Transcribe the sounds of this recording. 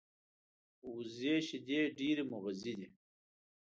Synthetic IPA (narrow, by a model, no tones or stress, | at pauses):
uzeːɕid̪eːɖiːɾimuɣɐzid̪i